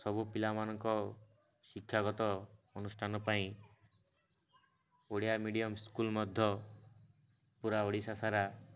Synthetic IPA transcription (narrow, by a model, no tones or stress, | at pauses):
sɔbupilamanɔŋkɔ | sikʰjaɡɔt̪ɔɔnusʈʰanɔpaĩ | oɽijamiɽijɔmskulmɔd̪ʱjɔ | puɾaoɽisasaɾa